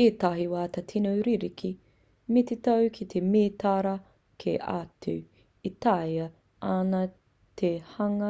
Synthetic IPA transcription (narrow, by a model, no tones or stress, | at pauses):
eːt̪ɐɦiwaːt̪ɐtʰinuwɾiɾikʰi | met̪etɐwkʰit̪ʰemeːt̪aɾɐ | kʰḛʔa̰tu | it̪ajɐ | anɐ | t̪ʰehɐŋɐ